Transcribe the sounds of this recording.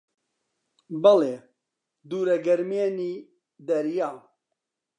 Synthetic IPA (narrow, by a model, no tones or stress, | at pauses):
bɛleː | d̪uːɾɛɡɛɾmeːniː | d̪ɛɾjaː